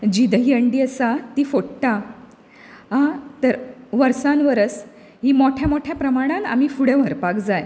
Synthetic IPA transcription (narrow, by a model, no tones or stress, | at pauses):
d͡ʑid̪əɦiəɳɖiəsat̪ifoʈʈa | ɦãt̪əɾʋəɾsãnʋəɾət͡s | ɦimoʈʰjamoʈʰjapɾəmaɽ̃ãt̪a̰mifuɽẽʋʱəɾpakd͡zaj